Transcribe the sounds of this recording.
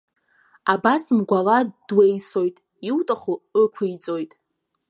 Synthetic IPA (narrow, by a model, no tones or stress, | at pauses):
abasmɡʷalad̥wejso̞jtʼ | iwtʼaχuəkʷʰɨjt͡sʼo̞jtʼ